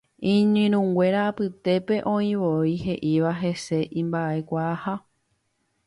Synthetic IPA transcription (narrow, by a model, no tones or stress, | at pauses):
ĩɲɨ̃ɾ̃ũŋɡʷe̞ɾaːpɨt̪e̞pe̞ʔõ̞ĩʋoiɦe̞ʔiʋaɦe̞se̞ʔĩmbaʔe̞kʷaːha